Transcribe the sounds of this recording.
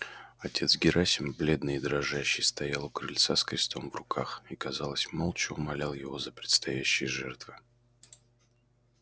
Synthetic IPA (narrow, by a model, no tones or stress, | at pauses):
ɐtʲe̞t̪sɡʲɪɾʔasʲɪmblʲe̞d̪nɨjɪd̪ɾɐʐaɕːɪjst̪ɐjalˠʊkɾɨlʲt̪saskɾʲɪst̪ʰo̞mvrʊkʰaxikɐzɑlˠəsʲmolˠt͡ɕɪʊmɐlʲalˠjɪvo̞zəpɾʲɪt̪st̪ɐjæɕːɪjəʐɛrt̪vɨ